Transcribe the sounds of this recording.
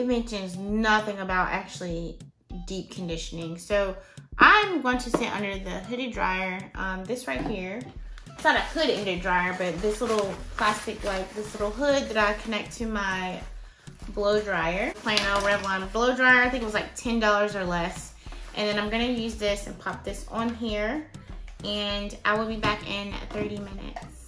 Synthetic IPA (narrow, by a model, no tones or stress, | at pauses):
ɨt̚mɛ̃nʃɨ̃nznʌθɪ̃ŋəbaʊɾʔæ̰k̚t͡ʃʉl̩ˠi | dip̚kʰɨ̃n̩dɪʃɨnɪ̃ŋsoʊʔaɪwɑ̃ntʰɨsɪɾʔʌ̰̃ndə˞ðɨɦʊɾɨdɹa̰ɪə˞ʔʌ̃mðɪsɹaɪt̚hiɹ | ɪsnəɾɨɪhʊɾɛ̃ndɨ˞dɹaɪə˞bʌt̪̚ðɪslɪɾl̩ˠpʰl̥æstɨklaɪk̚ðɪslɪɾl̩ˠɦʊd̪̚ðɨɾaɪkʰɨnɛk̚tʰɨmaɪ | bloʊdɹaɪə˞pʰl̥ẽɪɪ̃ŋəɹɛvlãɪ̃mbloʊdɹaɪə˞aɪθɪ̃ŋkɪt̚wʌzlaɪk̚tʰɛ̃ndɔlˠə˞zə˞lɛs | ʔɨ̃nðɨ̃ñãɪ̃mɡʌñɨjʉzðɪsɨ̃npʰʌp̚ðɪsn̩ɦiɹ | ʔɨ̃nʔa̰ɪwɪlˠbibækɪ̃nɨ̰t̪̚θɜ˞ɾimɪ̃nɪ̰ts